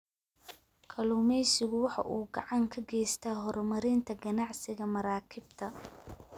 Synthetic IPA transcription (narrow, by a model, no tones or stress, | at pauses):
kʰɐlʊmɛjsɪɣʊwɑħɑ̰ʔuːɡɑʕɑŋkʰɐɡɛːjst̪ʰaːɦɔɾɔmɐɾɪnt̪ʰɐɡɐnɑʕsɪɣɐmɐɾaːkʰɪbt̪ʰɐ